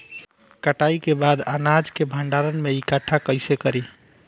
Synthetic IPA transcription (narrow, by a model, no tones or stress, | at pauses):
kəʈaikebad̪a̰nad͡ʒkebʱəɳɖaɾənmeikəʈʰːakəɪsekəɾi